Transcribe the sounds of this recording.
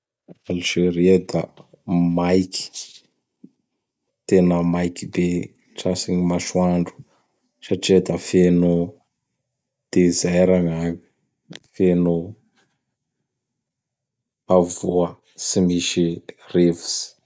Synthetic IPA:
aliʒ̥eɾied̪ə̰ | majki̥ | t̪enəmajkibe | ʈ͡ʂasiɲimaʃwaɳɖ͡ʐu̥ | saʈ͡ʂed̪əfeno | d̪̥ezajɾaŋaɲi̥ | feno | avuə | simiʃirevu̥si̥

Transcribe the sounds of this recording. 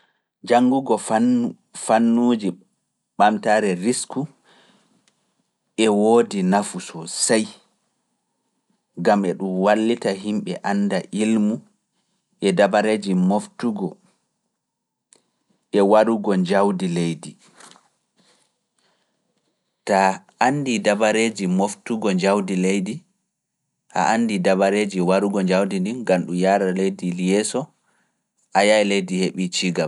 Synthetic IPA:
d͡ʒaŋɡuɡɔ | fanːuːd͡ʒi | ɓamtaːɾɛɾisku | ɛwodinafusɔsaj | ɡamɛɗumwalːitaɦimɓɛʔandaʔilmu | ʔɛdabaɾed͡ʒimoftuɡɔ | ɛwaɾuɡɔɲd͡ʒawdilejdi | ta | andidabaɾed͡ʒimoftuɡɔɲd͡ʒawdilejdi | ha̰ʔanːdidabaɾeːd͡ʒiwaɾuɡɔd͡ʒawdindinɡanɗumjaːɾalejdiljɛsɔ | ʔajaɛlejdiheɓit͡ʃiːɡam

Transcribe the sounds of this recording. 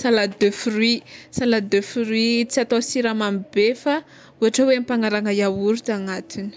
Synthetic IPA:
salad̪øfruisalad̪øfiɾuwit͡siat̪osiɾamamibefa | uaʈ͡ʂawempaŋaɾaŋajawuɾut̪aŋat̪inə̥

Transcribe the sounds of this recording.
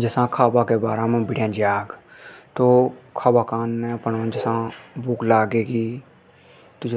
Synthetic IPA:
d͡ʒəsãːkʰaːbakebaːɾemẽbɪɽjãːd͡ʒaːɡt̪oːkʰaːbaːkaːnːẽəpənõd͡ʒəsãbuːklaːɡeːkiː | t̪ʊd͡ʒ

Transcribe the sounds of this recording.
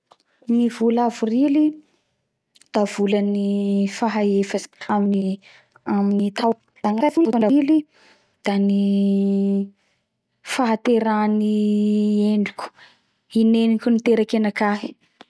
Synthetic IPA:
nivulavurili | d̪̥av̥ulanifaɦaefəsamini | aminit̪aw | d̪̥aŋaavinaɳɖ͡ʐaili | d̪̥ani | faɦat̪eɾani | eɳɖ͡ʐikʲu̥ | inenikʲunit̪eɾakenakaɦi̥

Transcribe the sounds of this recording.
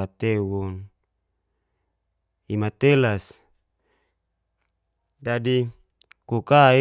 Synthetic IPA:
at̪ewun | imat̪elas | d͡ʒadi | kukai

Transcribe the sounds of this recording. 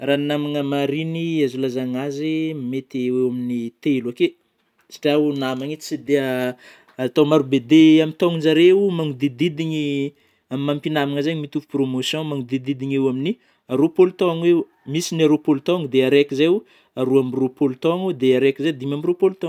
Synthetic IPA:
ranamaŋəmaɾiniazulazaŋazimmet̪wewaminit̪elake | si̥ʈ͡ʂaunamaŋit͡sid̪ea | at̪omaɾubed̪eamit̪ɔŋind͡ʒaɾeumaŋud̪id̪id̪iɲi | amimãmpinamaŋəzaɲmit̪ufu̥promosjɔ̃maŋud̪id̪id̪iɲewamini | aɾopolut̪õaŋew | misinaɾopolut̪oŋd̪eaɾekizew | aɾuamropolut̪õŋed̪eaɾekʲized̪imamiɾopolut̪ɔ̃ŋ

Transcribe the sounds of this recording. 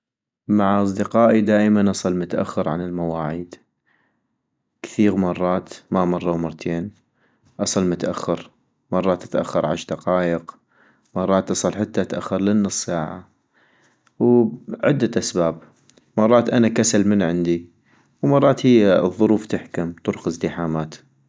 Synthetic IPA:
maʕʔɑs̬ˤd̪ɪqɑːʔid̪aːʔmanʔɑsˤɑlmʊt̪aʔa̰xːɪɾʕa̰nɪlmawaːʕiːd̪ | kθiːɣmɑrˤːɑːt̪mamɑrˤːɑwmɑɾˤt̪ʰeːn | ʔɑsˤɑlmʊt̪aʔaxːɑɾ | mɑrˤːɑːt̪ːḁt̪ʔa̰xːɑɾˤʕa̰ʃd̪aqɑːjəq | mɑrˤːɑːt̪ʔɑsˤɑlħat̪ːat̪aʔaxːɑɾˤlɪnːɨsˤːaːʕa̰ | wʕɪd̪ːaʔasbaːb̚ | mɑrˤːɑːt̪ʔanakasalmɪnʕɪnd̪i | wmɑrˤːɑːt̪hijːaðˤːʊɾuːft̪ɪħkʊmt̪ʊɾʊqɪzd̪ɪħaːmaːt̪

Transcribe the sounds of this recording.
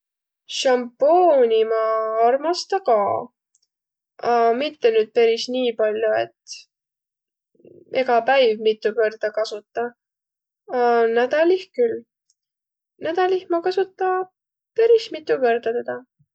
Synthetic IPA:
ʃɑmponʲimɑɑrmɑst̪ɑkɑː | ɑmit̪ːe̞nyːd̪̥̚peɾisniːpɑlʲjue̞t̪ː | e̞ɡɑpæjvmit̪ːˑukø̞rd̪̥ɑkɑsut̪ˑːɑ | ɑnæd̪̥ɑlihkyl | næd̪̥ɑlihmɑkɑsut̪ˑːɑ | peɾismit̪ːˑukø̞rd̪̥ɑt̪ed̪̥ɑ

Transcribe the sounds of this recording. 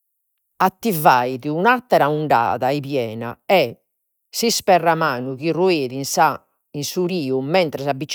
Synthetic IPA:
at̪ːivaːjðiunat̪ːɛɾauɳɖa̰ːðaɛpjɛːna̰ɛ | sispɛrːamaːnuɣirueːðins | insuɾiːumɛnt̪ɾɛsabːit͡ʃ

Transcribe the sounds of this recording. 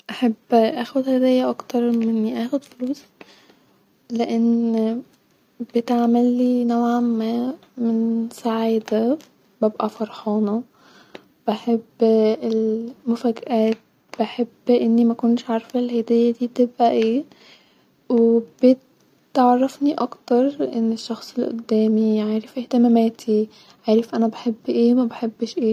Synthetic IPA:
ʔaħabːʔæːxod̪hæd̪ɪjːæʔɑkt̪ɑɾˤmɪnːʔæːxod̪foluːsˤ | leʔen | b̥et̪ʕmælːiːnowʕamæː | mensˤaʕiːd̪æ | b̥æbʔæfɑɾˤħɑːnɑ | b̥aħebːelmʊfaɡʔaːt̪̚ | b̥aħɪbːʔɪnːimakʊnʃʕɑɾˤfalhajd̪ɪjːad̪iːt̪ɪbʔaʔeː | wb̥ɪt̪ | ʕɑrˤːɑfniʔɑkt̪ɑɾˤʔɪnːɪʃːɑxsˤɪlʔʊ̰d̪ːæːmiʕaːɾɪfʔɪht̪amameːt̪ʰi | ʕaːɾɪfʔanabaħɪbːʔeːmabaħɪbːʃʔeː

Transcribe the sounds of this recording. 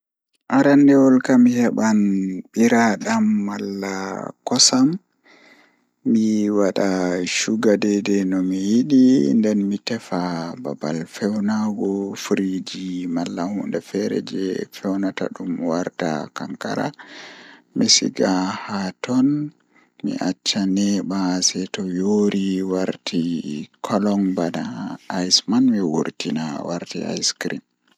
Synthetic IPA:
ʔaɾandɛwɔlkamihɛɓanɓiɾaɗamːalːakɔsam | iwaɗaʃuɡadɛdɛnɔmijiɗindɛnmitɛfababa̰lfɛwnaɡɔfɾid͡ʒimalːahundɛfɛɾɛ̰d͡ʒɛfɛwnata̰ɗumwaɾta̰kaŋka̰ɾa̰ | misḭɡahatɔn | mḭʔat͡ʃːanɛbasɛtɔjoɾiwaɾtʰikʰɔlɔŋbadaːjsmanmiwo̰ɾtinawaɾtḭa̰jskɾḭm

